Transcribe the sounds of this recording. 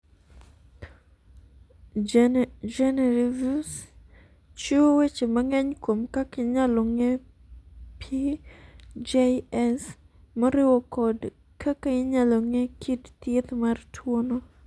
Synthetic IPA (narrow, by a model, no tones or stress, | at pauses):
d͡ʒɛnɛɾivus | t͡ʃowet͡ʃemɐŋɛɲkomkakɪɲaloŋe | pʰi | d͡ʒeɛs | moɾɪwokɔd | kʰakaɪɲaloŋekʰidt̪ɪt̪martʰwono